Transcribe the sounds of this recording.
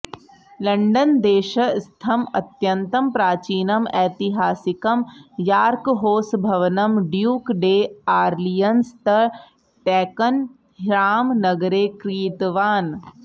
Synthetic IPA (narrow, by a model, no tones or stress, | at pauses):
lɐɳɖɐnd̪eːʃɐst̪ʰɐmɐ̰t̪jɐnt̪ɐmpɾaːt͡ʃiːnɐmɛːt̪iɦaːsikɐmjaːɾkɦoːsbʱɐʋɐnɐmɖjuːkɖeːaːɾlijɐnst̪ɐ | ʈɛːkɐn | ɦɾaːmnɐɡɐɾeːkɾiːt̪ʋaːn